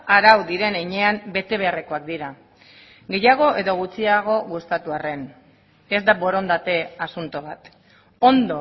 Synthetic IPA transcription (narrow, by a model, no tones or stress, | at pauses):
aɾawðiɾe̞neɲe̞ambe̞t̪e̞β̞e̞areko̞akd̪iɾa | ɡe̞jaɣ̞o̞ʔe̞ðo̞ɣ̞ut͡siaɣ̞o̞ɣust̪at̪uare̞n | e̞zd̪abo̞ɾo̞nd̪at̪e̞asunt̪oβat̪ | o̞nd̪o̞